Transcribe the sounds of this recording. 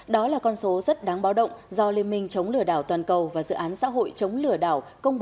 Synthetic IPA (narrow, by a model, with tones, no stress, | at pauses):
ɗɔ˨˦laː˨˩kɔ˧nso˨˦zə˦˥t̚ɗaː˨˦ŋɓaː˨˦wɗə̰˧˨wŋ͡mzɔ˧li˧ənmï˧˩ŋ̟t͡ɕə˨˦wŋ͡mlɨ˧˩əɗaː˧˩wt̪waː˨˩nkə˨˩wvaː˨˩zɨ̰˧˨ʔaː˨˦nsa̰ː˧˥ɦo̰˧˨jt͡ɕə˨˦wŋ͡mlɨ˧˩əɗa̰ː˧˩wkə˧wŋ͡mɓ